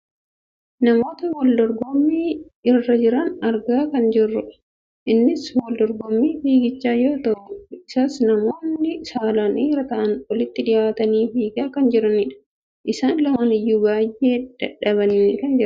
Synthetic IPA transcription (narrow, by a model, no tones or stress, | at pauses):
nɐmo̞ːt̪ɐwɔld̪ɔɾɡɔmːiːɪrːɐd͡ʒɪɾɐnɐɾɡaːkɐnd͡ʒɪrːʊᶑɐ̥ | ʔɪnːɪswɐld̪ɔɾɡɔmːiːfiːɡɪt͡ʃːaːjo̞ːt̪ɐʔʊɪsaːsnɐmo̞ːnːɪsaːlaːnʔiːɾɐt̪ɐʔɐnwɔlɪt̪ːɪd̪ɪjaːt̪ɐniːfiːɡaːkɐnd͡ʒɪɾɐnɪᶑɐ̥ | ʔɪsaːnlɐmaːnɪjːuːbaːjʔːe̞ːd̪̥ɐᶑɐβɐniːŋkɐnd͡ʒɪɾɐ